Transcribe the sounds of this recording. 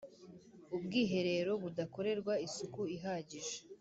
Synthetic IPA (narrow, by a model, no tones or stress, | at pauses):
ubɡiːɦe̞ɾe̞ːɾo̞βudako̞ɾe̞ɾɡwaisukuiɦaːɟiʒe̥